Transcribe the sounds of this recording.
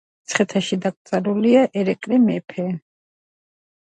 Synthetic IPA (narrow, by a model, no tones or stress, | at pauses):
t̪sʰχɛt̪ʰaʃid̪akʼt̪sʼaɾuliaʔɛɾɛkʼɾɛmɛpʰɛ